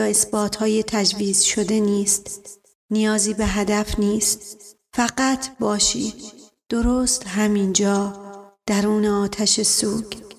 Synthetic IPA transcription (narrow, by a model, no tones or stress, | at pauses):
ɒːe̞sbɒːt̪ʰhɒːjet̪ʰæd͡ʒviːz̥ʃo̞d̪e̞niːst̪ | nijɒːziːbeɦæd̪æfniːst̪ | fæɢæt̪ʰbɒːʃiːd̪ | d̪̥oɾoːst̪ɦæmiːnd͡ʒɒːd̪̥æɾuːneɒːt̪ʰæʃesuːɡ̥